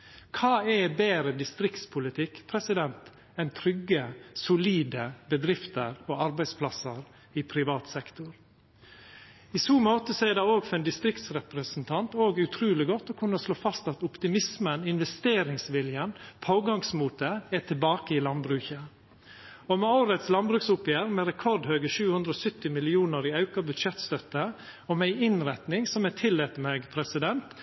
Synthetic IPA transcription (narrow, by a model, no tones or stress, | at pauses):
kʰɑːɛbeːɾəd̪ɪst̪ɾɪkt̪spʰʊlɪt̪ʰɪkpʰɾɛsɪd̪ɛnt̪ | ɛnt̪ʰɾʏɡːəsʊliːd̪əbəd̪ɾɪft̪əɾoːɑɾbæɪspʰlɑsəɾ | ɪpʰɾɪʋɑːt̪sɛkt̪ʊɾ | isuːmoːt̪əsɔɛɖɑoːɡfɾɛnd̪ɪst̪ɾɪkt̪sɾɛpɾəsn̩t̪ʰɑnt̪oːɡʉt̪ʰɾʉːlɪɡɔt̪ːɔkʰʉnːəsloːfɑst̪ɑt̪ʊpt̪ɪmɪsmənɪnʋɛst̪eːɾɪŋsʋɪljənpʰoːɡɑŋsmuːt̪əɛt̪ʰɪlbɑːkəɪlɑnbɾʉːçə | ɔmɛoʊɾət̪slɑnbɾʉːksʊpjæːɾmɛɾɛkʰɔɾd̪høːɡəʃʉːhʉnd̪ɾɔːsʏt̪ːɪmɪlɪuːnəɾiːɑʉkɑbʉd̪ʃɛt̪st̪œt̪ːəɔmæɪɪnɾɛt̪nɪŋsɔmɛt̪ʰɪlːeːt̪əmeːɡpʰɾɛsɪd̪ɛnt̪